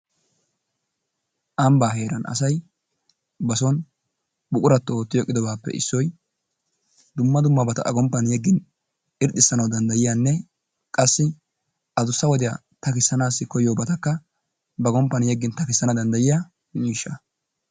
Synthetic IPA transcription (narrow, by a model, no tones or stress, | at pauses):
ʔɐmbaːhe̞ːɾɐnɐ̰sɐj | bɐsɔn | bʊkʼʊɾɐt̪ːɔoːt̪ːɪjɔkʼːɪd̪ɔbaːpːɛ̰ɪ̰sːɔj | d̪ʊmːɐd̪ʊmːɐbɐt̪ɐ̰ʔɐ̰ɡɔmpːɐnjɛɡːɪn | ɪɾt̪ːɪsːɐnɐwd̪ɐnd̪ɐjɪjaːnːɛ | kʼɐsːɪ | ʔɐd̪ʊsːɐwɔd̪ɪja | t̪ɐkɪsːɐnaːsːɪkɔjoːbɐt̪ɐkːɐ | bɐɡɔmpːɐnjɛɡːɪnt̪ɐkɪsːɐnɐd̪ɐnd̪ɐjɪjaː | miːʃːɐ